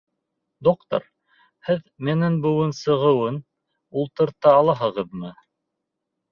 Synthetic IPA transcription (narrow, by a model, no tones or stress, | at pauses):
d̪okt̪o̰ɾ | hɘð | mɘ̆nɘnbɤ̆wɤnsɤ̆ʁɤ̆wɤn | ulˠt̪ɤ̆ɾt̪ɑɑlˠɑɦɤ̆ʁɤðmɤ